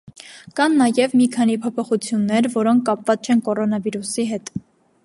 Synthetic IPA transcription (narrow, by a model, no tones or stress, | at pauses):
kɑnːɑjɛvmikʰɑnipʰɔpʰɔχut͡sʰjunːɛɾvɔɾɔŋkʰkːɑpvɑt͡st͡ʃʰɛnkɔɾɔnɑviɾusiɦɛt̪